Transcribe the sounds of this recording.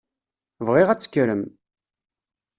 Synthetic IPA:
vʁiʁæt͡sːə̥kːɾəm

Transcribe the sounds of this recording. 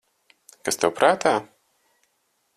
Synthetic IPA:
kast̪ɛwpɾaːt̪ʰaː

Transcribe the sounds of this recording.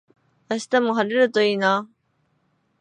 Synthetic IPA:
aɕi̥t̪amoɦaɾeɾɯ̟t̪o̞iːna

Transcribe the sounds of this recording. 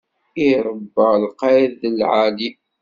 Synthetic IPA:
iɾˤəbːəlqɑjðəlʕali

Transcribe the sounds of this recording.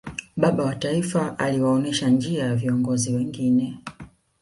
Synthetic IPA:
ɓaɓawataifaʔaliwaɔnɛʃand͡ʒiajaviɔŋɡɔziwɛŋɡinɛ

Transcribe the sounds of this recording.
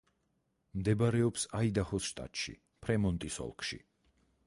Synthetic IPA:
md̪ɛbaɾɛɔpsaid̪aχɔsʃt̪ʼa̰t̪ʼʃḭ | pʰɾɛmɔnt̪ʼisɔ̰lˠkʰʃḭ

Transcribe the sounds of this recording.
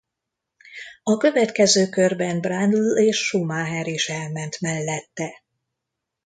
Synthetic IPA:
ɒkø̞vɛt̪kɛzøːkørbɛnbrand̪leːʃːumaɦɛɾiʃɛlmɛnt̪mɛlːɛt̪ːɛ

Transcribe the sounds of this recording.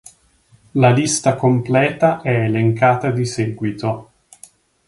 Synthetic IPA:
lalist̪akomplɛːt̪aʔɛeleŋkaːt̪ad̪isɛːɡwit̪o

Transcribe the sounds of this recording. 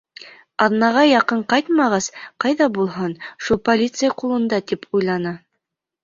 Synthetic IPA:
ɑðnɑʁɑjɑqɤɴqɑjt̪mɑʁɑsqɑjðɑbulˠɦɤnʃulˠpolʲit̪sɨjaqulˠɤ̆nd̪ɑt̪ipʰujlˠɑnɤ

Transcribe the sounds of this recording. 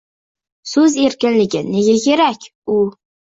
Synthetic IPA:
sɵze̞ɾkʲɪnlɪɡʲɪne̞ɡʲakʲʰe̞ɾakʲ | ʊ

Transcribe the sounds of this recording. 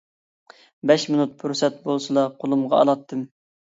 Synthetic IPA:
bɛʃmɨnut̪̚pʰuɾsɛt̪̚bolˠsɨlˠɑqʰolˠumʁɑ̰ɑ̰lˠɑt̪ʰːɨm

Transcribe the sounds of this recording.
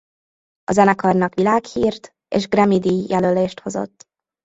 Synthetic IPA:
ɒzɛnɛkɒrnɒkʋilaːkhiːrt̪ | ḛːʒɡrɛmid̪ijɛløleːʃt̪ho̞zo̞̰t̪ː

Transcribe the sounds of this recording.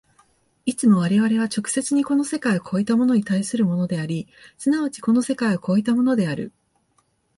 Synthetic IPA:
it͡sɨmo̞β̞aɾe̞βaɾe̞β̞at͡ɕo̞kɯ̟̥se̞t͡sɨɲ̟iko̞no̞se̞kaiokʰo̞ːit̪amo̞no̞ɲ̟it̪aisɨɾɯ̟mo̞no̞d̪e̞aɾʲisɨnaβat͡ɕi̥ko̞no̞se̞kaioko̞ːit̪amo̞no̞d̪e̞aɾɯ̟̰

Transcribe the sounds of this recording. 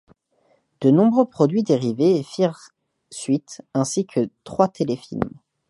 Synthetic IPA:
d̪̥ənɔ̃bʁøpχɔd̪ɥid̪eʁivefiʁ | sɥit̪ɛ̃sikʰət̪χwat̪ʰelefḭlm

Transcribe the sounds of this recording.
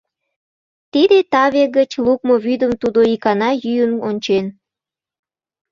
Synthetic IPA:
t̪id̪et̪ɑβeɡət͡ɕluk̚moβyd̪əmt̪ud̪oikɑnɑjyjənont͡ɕen

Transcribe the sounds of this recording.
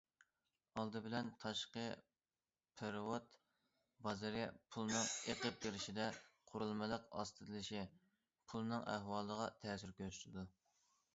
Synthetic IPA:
ɑlˠd̪ɨbɪlɛnt̪ʰɑʃqə | pʰeɾwot̪ | bɑzɨɾɨpʰulˠnɨŋeqəp̚d̪ʲeɾɪʃid̪ɛqʰʊɾulˠmɨlˠəqɑ̰st̪ʰɨd̪ɨlɪʃi | pʰulˠnɨŋæ̰hwɑːlˠəʁɑt̪ʰɛsyɾkʲøy̥t̪ʰɪd̪u

